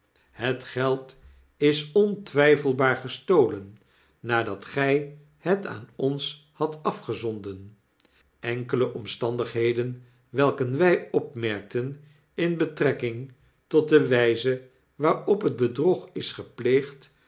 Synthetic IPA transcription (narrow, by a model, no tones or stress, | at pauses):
hətχɛlˠt | ɪsɔntʋɛjfəlˠbaːɹχəstowlənː | aːdɑtχɛj | həta̰ːnɔns | hɑtɑfχəzɔndən | ɛŋkələʔɔmstɑndəχɦejdən | ʋɛlˠkənʋɛjɔpmɛɹk̚tən | ɪnbətrɛkɪŋ | tɔt̚dəʋɛjzə | ʋaːɹɔpɦəd̚bədrɔχɪsχəplejχt